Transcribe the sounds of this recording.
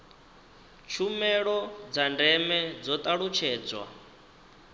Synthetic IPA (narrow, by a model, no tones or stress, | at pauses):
t͡ʃʰumɛɺɔd͡zandɛmɛd͡zɔt̪ʼaɺut͡ʃʰɛːd͡zwa̰